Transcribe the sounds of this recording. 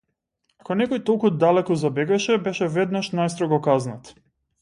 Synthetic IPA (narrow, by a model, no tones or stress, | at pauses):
akɔnɛkɔjt̪olˠkud̪alɛkɔzabɛɡaɛʃɛbɛʃɛvɛd̪naʃnajst̪ɾɔɡɔkaznat̪